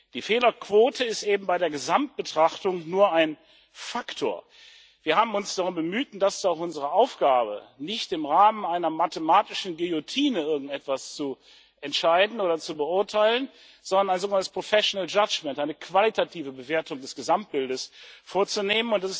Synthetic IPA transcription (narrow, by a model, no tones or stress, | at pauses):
d̥iːfeːlɐkv̥oːtʰəɪstʔeːbm̩baɪɾeːɐɡəzamt̚b̥ətʁ̥aχtʊŋnuːɐaɪn | faktʰo̰ːɐ | viːɐhaːbm̩ʊnsd̥aʁʊmbəmyːt̚d̥asɪ̥staʊxʔʊnzəʁəʔaʊfɡ̥aːbə̰nɪçtɪmʁaːmənaɪnɐmatəmaːtɪʃn̩ɡeotʰiːnəɪɐɡŋ̩tɛtv̥ast͡su | ʔɛntʃaɪdn̩oːɾɐt͡subəʊɐtʰaɪlən | z̥ɔndɐnaɪnzoːɡənantə̥spʁ̥ofɛʃonɛld͡ʒad͡ʒmɛntʔaɪnəkv̥alitʰatʰiːvəbəveːɐtʊŋdɛsɡ̥əzamt̚b̥ɪldəsfoːɐt͡suneːmənʊntdasɪs